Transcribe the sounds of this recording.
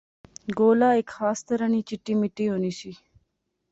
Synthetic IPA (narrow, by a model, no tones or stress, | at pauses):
ɡoːlaːekxɑːst̪ɐɾɐnit͡ʃiʈːimɪʈioniʃi